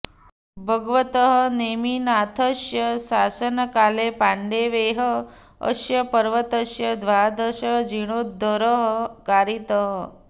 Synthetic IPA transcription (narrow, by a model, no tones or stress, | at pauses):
bʱəɡʋət̪əɦəneminat̪ʰəʃjəsaːsənkaːlepaɳɖeʋeɦə | ə̰ʃjɐpəɾʋət̪əʃjɐd̪ʋad̪ʱəʃəd͡ʒiɽ̃od̪əɾəɦkaɾit̪əɦə